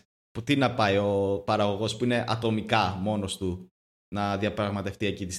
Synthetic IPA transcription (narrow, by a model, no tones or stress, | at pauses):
put̪inɐpɐio̞pɐɾɐɣo̞ɣo̞spuine̞ʔɐt̪o̞mikɐmo̞no̞st̪u | nɐðiɐpɾɐɣmɐt̪e̞ft̪ie̞cit̪is